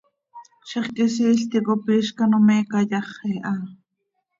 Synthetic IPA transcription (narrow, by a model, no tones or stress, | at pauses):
ʃiχkis̬iːɬt̪ikopiːʃkanomɛːkɑjɑχɛʔɑː